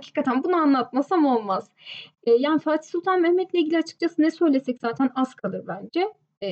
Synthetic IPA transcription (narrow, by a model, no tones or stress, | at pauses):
hacʰi̥ːkat̪ʰænbunaanlˠat̪̚masamo̞lˠmaz̥ | ɛːjaːnifaɾt̪ʰi̥sulˠt̪ʰanmɛhmɛt̪lʲɛilʲɟilʲiat͡ʃʰɯ̥k̚t͡ʃʰasɯnɛsø̞jlʲesɛcz̥aːt̪ʰænaskʰad̪ˠɯbænd͡ʒɛ